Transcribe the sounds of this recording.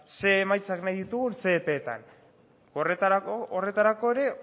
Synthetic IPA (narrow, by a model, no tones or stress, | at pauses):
se̞ːmajt͡saknajðit̪uɣunse̞ːpe̞ːt̪a̰n | oret̪aaore̞t̪aɾako̞e̞ɾe̞